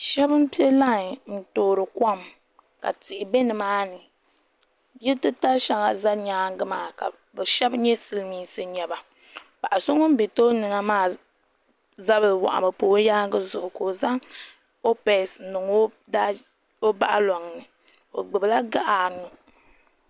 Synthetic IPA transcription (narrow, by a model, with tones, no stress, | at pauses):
ʃɛ˦bɨ˦m˦pi˦ɛ˦la˦ŋ˨n̩˦toː˨ɾɨ˨ka˦m | ka̰˨tɪ˨ʔɪ˨be˦nɨ˨maː˦nɨ˨ | jɛ˦tɨ˦ta˦ʃa˨ŋa˨za˦ɲaː˦ɡɨ˦maː˨ka̰˨ | bɛ˨ʃɛ˦bɲɛ˦sɨ˦lmiː˦sɨ˦ɲɛ˦ba˨ | ba˨ʔa˨so˦ŋo˦m˦be˨to˦nɨ˨ŋa˦maː˦˨ | za˦βɨ˨wa̰˨ʔa̰˨bɨ˨poː˨˦jaː˦ɡɨ˦zʊ˨ʔʊ˨ko˨za˦ŋ | o˦pɛ˨snɨ˨ŋo˦ | da˦ | o˦ba˦ʔa˦lɔ˨ŋ˨nɨ˨ | o˨ɡ͡bɨ˨bla˦ɡa˦ʔa˨nu˨